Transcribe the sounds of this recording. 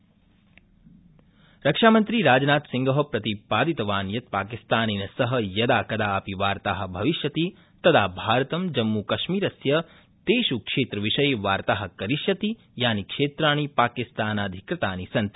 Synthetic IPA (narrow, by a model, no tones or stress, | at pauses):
ɾɐkʂaːmɐnt̪ɾiɾaːd͡ʒnaːt̪siŋɡʱɐɦɐpɾɐt̪ipaːd̪it̪ɐʋaːnjɐt̪̚paːkist̪aːninɐsɐɦɐ̆jɐd̪aːkɐd̪aːpiʋaːɾt̪aːɦɐ̆bʱɐʋiʃjɐt̪i | t̪ɐd̪ʰaːbʱaːɾɐt̪ɐmd͡ʒɐmːukɐʃmiːɾɐsjɐ | t̪eːʃukʂeːt̪ɾɐʋiʃɐjʋaːɾt̪aːɦɐ̆kɐɾiʃjɐt̪i | jaːnikʂeːt̪ɾaːñipaːkist̪aːnaːd̪ʱikɾɐt̪aːnisɐnt̪